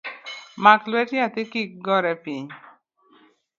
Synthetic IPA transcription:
maklwɛtɲat̪ɪkik̚ɡɔɾɛpiɲ

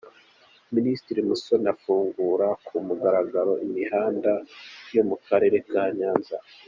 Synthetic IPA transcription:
ministiɾimuso̞nafuːŋɡuːɾakʰumuɡaɾaɡaɾo̞ʔimihaːndajo̞mukaɾe̞ːɾe̞kaːɲaːnza

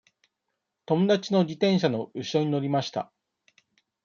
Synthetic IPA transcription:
t̪o̞mod̪at͡ɕino̞d͡ʑit̪ẽ̞ɰ̃ɕ̬ano̞ɯ̟ɕo̞ɲ̟ino̞ɾʲimaɕi̥t̪a̰

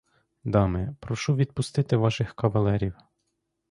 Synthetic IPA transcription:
d̪ɑmɪpɾɔʃuʋʲid̪̚pʊst̪ɪt̪ɪʋɑʃɪxkɐʋɐlˠɛɾʲiw

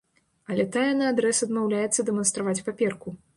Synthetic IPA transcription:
ɐlʲɛt̪ajɛnɨad̪ɾɛsɐd̪mawlʲajɛt̪sːɐd̪ɛmɐnst̪ɾavat͡sʲpapʲɛrku

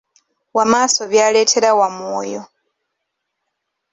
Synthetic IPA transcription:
wamaːsoβjaːle̞ːtʰe̞ɾawamwo̰ːjo

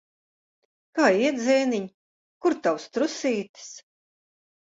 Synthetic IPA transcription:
kaːiɛt̪d̪zʲɛːniɲ | kuɾt̪awst̪ɾusiːt̪i̥s

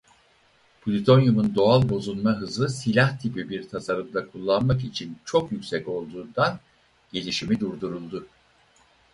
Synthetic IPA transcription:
b̥ulʲit̪ʰo̞njumund̪o̞alˠbo̞zunmaɦɯzlˠɯsilʲaht̪ʰipibiɾt̪ʰasaɾɯmd̪akʰulˠːanmak̬it͡ʃʰint͡ʃʰo̞kjycʲsɛco̞lˠd̪uːnd̪an | ɟe̞lʲiʃimid̪uɾd̪uɾulˠd̪u

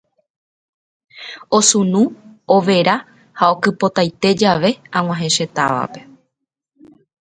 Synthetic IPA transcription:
o̞sũnũoʋe̞ɾa | hao̞kɨpo̞t̪ajt̪e̞d͡ʒaʋe̞ãw̃ãɦẽ̞ʃe̞t̪aʋa̰pe̞

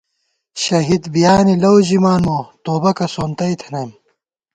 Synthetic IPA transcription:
ɕɐɦid̪bijaːnilɐwʑimaːnmot̪oːbɐkɐsoːnt̪ɐjt̪ʰɐnɐjm

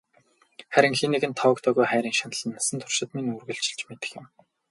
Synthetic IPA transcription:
χæɾʲɪ̆ŋxiniɣɘ̆nt̪ʰɔwə̆kt̪ʰœːɣujχæːɾʲiːŋʃanə̆ɮə̆nːasə̆nt̪ʰʊ̥r̥ʃɪ̆t̪minurɣɵ̆ɬt͡ɕɪ̥̆ɬt͡ɕmet̪ɘ̥̆xjɪ̆m

